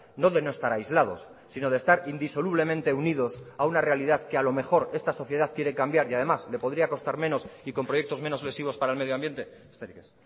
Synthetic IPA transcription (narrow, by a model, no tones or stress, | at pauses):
no̞ðe̞no̞est̪aɾajzlað̞o̞̰sːino̞ðest̪aɾind̪iso̞luβ̞le̞mẽ̞nt̪e̞uniðo̞saunare̞alið̞aðke̞alo̞me̞xo̞ɾe̞st̪aso̞θje̞ð̞aðkjeɾe̞kambjaɾiaðe̞masle̞po̞ðɾiako̞st̪aɾmẽ̞no̞siko̞mpɾo̞je̞k̚t̪o̞zme̞no̞zle̞siβ̞o̞spaɾaelmeðjoambje̞nt̪e̞st̪eɾikes